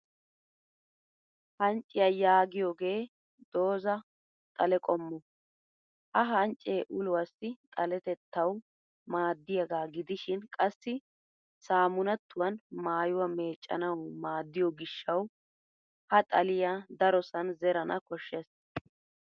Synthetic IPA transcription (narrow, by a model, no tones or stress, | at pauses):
hɐnt͡ʃʼːɪjɐjaːɡɪjoːɡe̞ː | d̪̥o̞ːzɐ | t̪ʼɐlɛkʼɔmːɔ | hɐɦɐnt͡ʃʼːeːʔʊlʊwɐsːɪt̪ʼɐlɛt̪ɛt̪ːɐw | maːd̪ːɪjɐɡaːɡɪd̪ɪʃɪnkʼɐsːɪ | saːmʊnɐt̪ːʊwɐnmaːjʊwɐme̞ːt͡ʃʼːɐ̰nɐwmaːd̪ːɪjɔɡɪʃːɐw | hɐt̪ʼɐlɪjad̪ɐɾɔsɐnzɛɾɐnɐkɔʃːes